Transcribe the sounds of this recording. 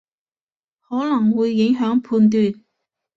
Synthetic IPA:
hɔː˨˥lɐ˨˩ŋwuː˨˧jːɪ˨˥ŋɦœː˨˥ŋpʰuː˧nt̪̬yː˨˧n

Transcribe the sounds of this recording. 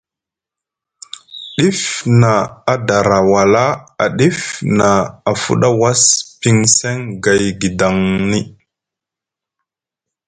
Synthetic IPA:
ɗi˦fna˨a˨da˨ɾa˨wa˨la˦a̰˨ɗi˦fna˨a˨fṵ˦ɗa˦wa˦spi˦ŋse˦ŋɡa˨jɡi˨da˨ŋni˦

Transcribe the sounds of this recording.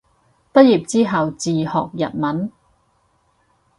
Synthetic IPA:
pɐ˥t̚jiː˨p̚t͡siː˥ɦɐ˨wt͡siː˨hɔ̰ː˨k̚jɐ̰˨t̚mɐ˨˥n

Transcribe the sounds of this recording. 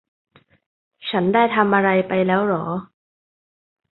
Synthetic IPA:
t͡ɕʰa˦˥ndaː˥˩jt̪ʰa˧mʔa˧ɾa˧jpa˧jlɛː˦˥wlɔː˩˦

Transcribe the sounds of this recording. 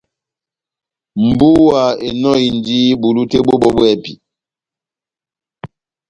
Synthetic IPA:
m̩˨bu˦wa˨e˨nɔ˦i˨n˨d͡ʒi˦bu˨lu˦te˦ɓo˦ɓɔ˦bwɛ˦˨pḭ˨

